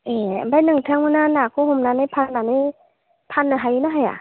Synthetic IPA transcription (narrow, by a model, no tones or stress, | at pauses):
ʔeːbajnɯŋt̪ʰaŋmanaːnaːkʰohomnaːnapʰannaːnaj | pʰanːɯɦajunaɦajʔa̰